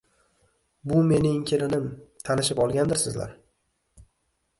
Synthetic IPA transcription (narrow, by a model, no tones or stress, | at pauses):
bʊme̞nɪŋkʲʰelɪnɪmt̪ʰanɪʃɪpɒlˠɡʲand̪ɪɾsɪzla̰ɾ